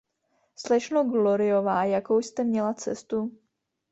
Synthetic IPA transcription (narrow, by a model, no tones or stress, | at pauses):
slɛʃnoɡloɾɪovaːjakowst̪ɛmɲɛlat͡sɛ̰st̪u